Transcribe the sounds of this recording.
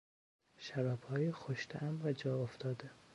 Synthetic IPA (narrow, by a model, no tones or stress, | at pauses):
ʃæɾæbhɒːjixoʃt̪ʰeʔæmɾæd͡ʒɒːoft̪ʰɒːd̪e